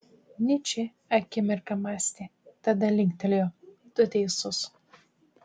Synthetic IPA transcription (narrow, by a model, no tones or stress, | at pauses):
nʲɪt͡ʃʲɪ | ɐkʲɪmʲɪɾkɐmaːsʲt̪ʲɪt̪ɐd̪ɐlʲɪŋʲkʲt̪ʲɛlʲjoːd̪ʊt̪ʲɛɪsʊs